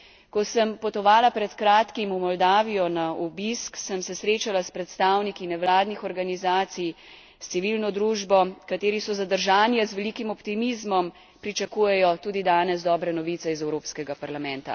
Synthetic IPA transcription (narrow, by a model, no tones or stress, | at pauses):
kɔsəmpɔt̪ɔʋaːlapɾɛt̪kɾaːt̪kimumɔld̪aːʋijɔnaubisksəmsɛsɾeːt͡ʃalaspɾɛt̪st̪aːwnikinɛʋlaːd̪nixɔɾɡanizaːt̪sij | st̪siʋilnɔd̪ɾuːʒbɔkat̪eːɾisɔzad̪əɾʒaːnjazʋɛlikimɔpt̪imizmɔm | pɾit͡ʃakuːjɛjɔt̪uːd̪id̪aːnɛzd̪ɔːbɾɛnɔʋit̪sɛizɛwɾoːpskɛɡapaɾlamɛnt̪a̰